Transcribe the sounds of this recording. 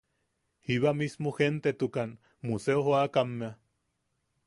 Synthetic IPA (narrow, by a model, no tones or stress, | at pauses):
hiβamismoxent̪et̪ukan | museoɦoakamːea